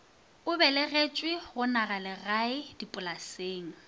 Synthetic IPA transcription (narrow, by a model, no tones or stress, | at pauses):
ʊbɛlɪɣet͡ʃʼwɪɣʊnaɣalɪraɪd̥ipʼʊlaseːŋ̩